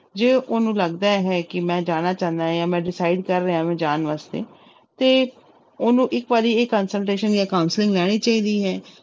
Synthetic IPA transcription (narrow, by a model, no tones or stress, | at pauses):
d͡ʒeːʔʊnũːləɡd̪aːɦɛːkɪmɛ̃ːd͡ʒaːɽ̃aːt͡ʃãːnd̪aːɦjaːmɛ̃ːɖɪsaːɪɖkəɾːeãːʋẽːd͡ʒaːnʋaːst̪ḛː | t̪eː | ʊnũːʔɪkʋaːɾiːeːkːəːnsəlʈeːʃənjaːkaːʊnslɪ̃ŋɡlɛːɽ̃iːt͡ʃaːiːd̪iːɦɛː